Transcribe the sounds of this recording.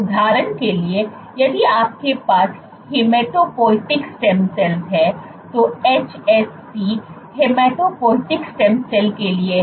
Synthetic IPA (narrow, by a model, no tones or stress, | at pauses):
ʊd̪ʱaːɾənkelie | jɐd̪iaːp̚kepaːs | hɪmeːʈoːpɔːɪʈɪksʈɛ̃msɛlsɦɛ | t̪oeːt͡ʃɛsːi | hemeːʈopɔːɪʈɪksʈɛ̃msɛlkelie